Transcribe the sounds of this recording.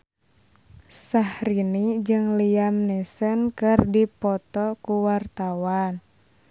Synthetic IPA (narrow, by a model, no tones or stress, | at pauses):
sahɾinid͡ʒɨŋliamnɛsənkɨrdipɔt̪ɔkuwart̪awan